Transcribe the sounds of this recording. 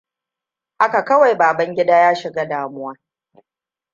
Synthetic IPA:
ʔa˦ka˨kɐ˦wa˨jbaː˨bɐ˦ŋɡʲɪ˦daː˦jaː˦ʃɪ˨ɡaː˦daː˨mʊ˦waː˦

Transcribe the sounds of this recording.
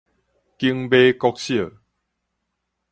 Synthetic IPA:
ki˧˦ŋbe˦kɔ˧k̚ɕjə˥˨

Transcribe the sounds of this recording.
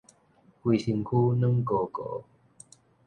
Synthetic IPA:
ku˧si˧nkʰuː˥nɨ˥˦˥ŋkoː˧kɔ̰˨˦

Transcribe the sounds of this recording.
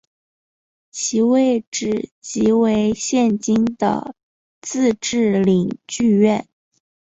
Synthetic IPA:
t͡ɕʰi˧˥we˥˧ɪʈ͡ʂɻ̩˨˩t͡ɕi˧˥we˧˥ɪɕjɛ˥˩nt͡ɕi˥ŋd̪ə̰˩ | t͡sɹ̩˥˧ʈ͡ʂɻ̩˥˩li˨˩ŋt͡ɕy˥˧ɥɛ˥˩n

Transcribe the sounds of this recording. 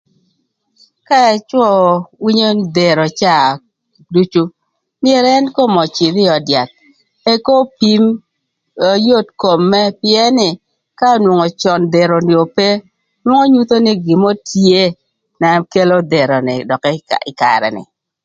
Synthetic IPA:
ka˦ɛ˨t͡ʃwɔ˦wi˦ɲo˦d̪e˨ɾo˨t͡ʃa˦˨ | du˦t͡ʃu˦ | mɪ˦ɛ˨ɾɛ˦nko˦mɔ˨t͡ʃi˨ɾɪ˦ɔ˨dja˨t̪̚ | e˦ko˦pi˦m | o˨jo˦˨tko˨mːɛ˦pɪ˦ɛ˦nɪ˨ | ka˦˨˦nwo˨ŋo˨t͡ʃɔ˨nd̪e˨ɾo˨nɪ˨o˨pe˦ | nwo˦ŋo˦ɲu˦t̪o˦nɪ˦ɡɪ˨mo˦tje˦ | na˨ke˦lo˦de˨ɾɔ˨nɪ̰˨dɔ˨kɛ˦ɪ˨ka̰˨ɾɛ̰˨nɪ̰˨

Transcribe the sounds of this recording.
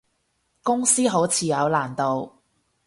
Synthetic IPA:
kʊ˥ŋsiː˥ɦo˨˥wt͡sʰiː˨˧jɐ˨˧wlaː˨˩nt̪o˨w

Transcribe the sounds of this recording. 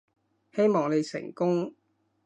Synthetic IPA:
he˥jmɔː˨˩ŋne˨˧jsɪ̰˨˩ŋkʊ˥ŋ

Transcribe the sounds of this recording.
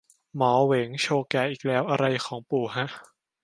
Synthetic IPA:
mɔː˩˦we˩˦ŋt͡ɕʰoː˧kɛː˨˩ʔiː˨˩k̚lɛː˦˥wʔa˧ɾa˧jkʰɔː˩˦ŋpuː˨˩ɦa˦˥ʔ

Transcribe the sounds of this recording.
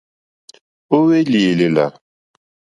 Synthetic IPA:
o˦we˦li˨le˨la̰˨

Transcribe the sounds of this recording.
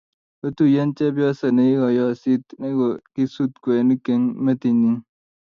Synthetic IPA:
o˦tu˨je˦nt͡ʃɛ˦bjɔ˦sa˨ne˨i˦ɡɔ˨jɔ˦˨si˦tne˦ɡɔ˨ki˦su˦t̚kwɛ˨ni˦ke˦ŋme˦ti˨ni˦ŋ

